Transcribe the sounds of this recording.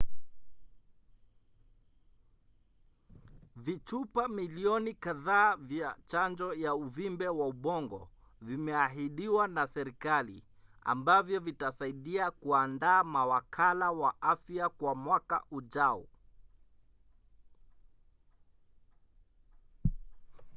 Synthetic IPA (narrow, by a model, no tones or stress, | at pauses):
vit͡ʃupamiliɔnikaðaːvjat͡ʃand͡ʒɔjauvimbɛwauɓɔŋɡɔ̰ | vimɛaɦiɗiwanasɛɾikalḭ | a̰mbavjɔvitasaiɗiakuandaːmawakʰalawaʔafjakwamwaka̰ʔuʄaɔ